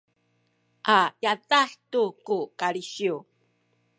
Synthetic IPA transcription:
ʔajazaħtukukaɭiɕiu

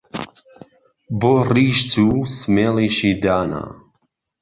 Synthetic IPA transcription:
boːriːʃd͡zuːsmeːliːʃiːd̪aːna̰

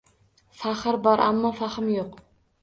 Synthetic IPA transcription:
faχɨɾbɒɾʔa̰mːɒfaχɪmjoq

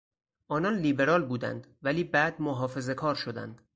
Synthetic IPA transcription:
ʔɒːnɒːnliːbe̞ɾɒːlbuːd̪æ̰nd̪ | væliːbæːd̪moɦɒːfe̞ze̞kʰɒːɾʃod̪æ̰nd̪̥

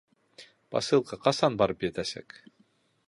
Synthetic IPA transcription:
pɑ̰sɤ̆lˠqɤqɑsɑnbɑɾɤpjæt̪æsæ̰k

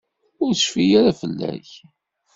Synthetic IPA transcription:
ʊɾə̥ʃfijaɾafəlːæ̰ç

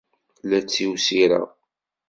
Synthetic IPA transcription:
læt͡sːiwsiɾa̰

